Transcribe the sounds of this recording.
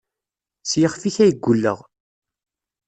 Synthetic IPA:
sjəχfiçæjəɡʷːulːə̰ʁ

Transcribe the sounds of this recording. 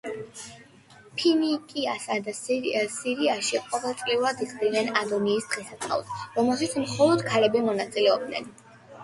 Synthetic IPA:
pʰinikʼiasad̪asiɾiaʃiqʼɔvɛlˠt̪sʼliuɾad̪iχʼd̪inɛnad̪ɔniːsd̪̥ʁisat̪ʰχa̰vsɾɔmɛlˠʃit̪smχɔlˠɔd̪̥kʰalɛbimɔnat̪sʼilɛɔb̚d̪nɛ̰n

